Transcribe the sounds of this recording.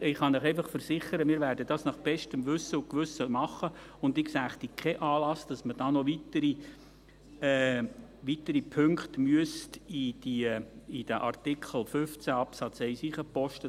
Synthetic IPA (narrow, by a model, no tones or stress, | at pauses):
ɪχɑnəχɛjfɑχfəɾsɪχəɾəmɪːɾværdəd̥ɑsnɑχb̥ɛʃtəmʋʏsːəʊkʋʏsəmɑχə | ʊndɪksæːχt̪ikʰχɛʔɑːlɑsd̥ɑsməd̥ɑːnɔʋitəɾi | ɛːʋit̪əɾipʰʏŋkχtmyəstid̥iid̥əʔɑrtɪkʰəl̩fʏft͡sæɑpsɑt͡sɛɪsiːχəpɔʃtə